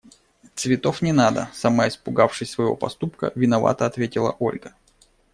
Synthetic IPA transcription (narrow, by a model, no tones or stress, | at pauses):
t̪svʲɪt̪o̞fnʲɪnad̪ə̰sɐmaɪspʊɡafʂɨsʲsvəjɪvo̞̰pɐst̪upkə̰vʲɪnɐva̰t̪əɐt̪vʲetʲɪlˠə̰ʔo̞̰lʲɡə